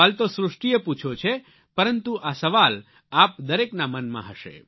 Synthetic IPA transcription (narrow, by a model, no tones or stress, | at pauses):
alt̪osɾʊʂʈijəput͡ʃʰot͡ʃʰe | pəɾənt̪uʔasəʋal | ap̚d̪əɾeknamənmã̰ɦəʃḛ